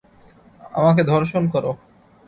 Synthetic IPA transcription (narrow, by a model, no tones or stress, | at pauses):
a̰maked̪ʱɔɾʃonkɔɾo